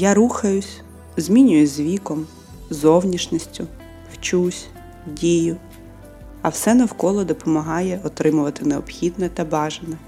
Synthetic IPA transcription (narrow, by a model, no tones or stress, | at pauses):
jaɾuxɐjʊsʲ | zʲmʲinʲʊjʊzʲzʲʋʲikɔm | zɔwnʲiʃnʲisʲtʲʊ | wt͡ʃusʲ | dʲijʊ | ɐwsɛnɐwkɔlˠɔd̪ɔpɔmɐɦɑjɛɔt̪ɾɪmʊʋɐt̪ɪneɔpxʲid̪nɛt̪ɐbɑʒɐnɛ